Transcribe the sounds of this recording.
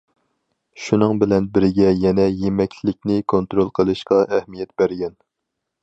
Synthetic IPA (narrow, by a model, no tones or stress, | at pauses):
ʃunɨŋbɪlɛnbɪɾɪɡʲɛjɛnɛjemɛkʲlɪk̚ʲnɪkʰont̪ɾolˠqʰəlˠɨʃqɑʔɛhmijɛt̪b̥æɾɡʲɛn